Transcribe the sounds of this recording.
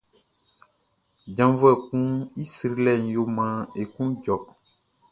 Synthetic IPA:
d͡ʒã˨vɛ˨kũ˦i˦si˨ɾi˦lɛ˨n˨jo˦mã˨e˨kũ˦d͡ʒɔ˨

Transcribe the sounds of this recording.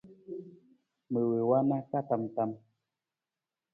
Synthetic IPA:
mə˨wə˨wa˦na˦ka˦ta˨mta˦m

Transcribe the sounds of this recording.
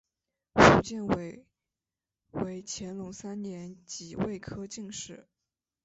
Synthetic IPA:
fu˧˥t͡ɕjɛ˥˩nwe˧˩ | we˧˥ɪt͡ɕʰjɛ˧˥nlʊ˧˥ŋsa˥nnjɛ˧˥nt͡ɕi˨˩we˥˩ɪkʰɤ˥t͡ɕi˥˧ŋʂɻ̩˥˩˦

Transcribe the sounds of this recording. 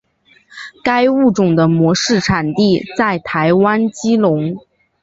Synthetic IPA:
ka˥ɪu˥˩ʈ͡ʂʊ˨˩ŋd̪ə˦mwɔ˧˥ʂɻ̩˥˩ʈ͡ʂʰa˨˩nt̪i˥˧t͡sa˥˩ɪt̪ʰa˧˥ɪwa˥nt͡ɕi˥lʊ˧˥ŋ

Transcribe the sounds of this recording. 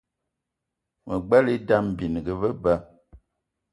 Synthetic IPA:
mə˨ɡ͡bɛ˦li˦da˦m˨bi˨n˨ɡə˨və˦bə˦

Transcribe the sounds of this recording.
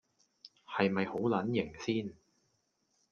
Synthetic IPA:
hɐ˨jmɐ˨jho˨˥wlɐ˨˥njɪ˨˩ŋsiː˥n

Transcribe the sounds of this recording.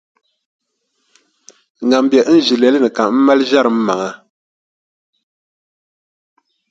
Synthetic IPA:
ŋa˨m˨bjɛ˨ʔn̩˦ʒi˨lɛ˨˦lɨ˦nɨ˨ka˨m̩˦ma˦lʒa˦ɾɨ˨m̩˦ma˨ŋa˦

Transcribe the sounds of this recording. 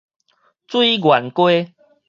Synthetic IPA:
t͡swi˦ɡwa˨˩nkwe˦

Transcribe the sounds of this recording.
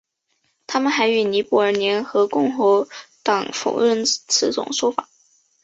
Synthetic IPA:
t̪ʰa˥mə˨nxa˧˥ɪy˧˥˩ni˧˥pu˧˥ə˞˨˩njɛ˧˥nxɤ˧˥kʊ˥˩ŋxo˧˥ʊt̪ɑ˨˩ŋfo̰˨˩ʊɻə˥˩nt͡sʰɹ̩˧˥t͡sʊ̰˨˩ŋʂwɔ˥fa̰˨˩˦

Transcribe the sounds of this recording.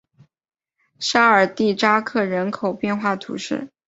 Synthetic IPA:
ʂa˥ə˞˨˩t̪i˥˩ʈ͡ʂa˥kʰɤ˥˩ɻə˧˥nkʰo˨˩ʊpjɛ˥˧nxwa˥˩t̪ʰṵ˧˥ʂɻ̩̰˥˩

